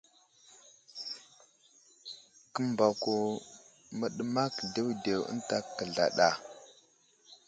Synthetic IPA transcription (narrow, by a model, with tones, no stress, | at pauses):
kə˦mba˨ku˨ | mə˨ɗə˦ma˦kde˦wde˨wə̰˦nta˦kə˨ɮa̰˨ɗa˨